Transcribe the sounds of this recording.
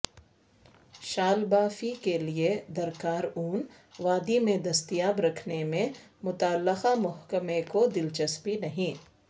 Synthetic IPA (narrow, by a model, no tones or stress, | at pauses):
ʃaːlbaːfikelied̪ɐɾkaːɾuːn | ʋaːd̪imẽd̪ɐst̪ijaːbɾɐkʰnemẽ | mʊt̪aːlːəqamʊɦkəmẽkod̪ɪlt͡ʃɐspinɐɦĩ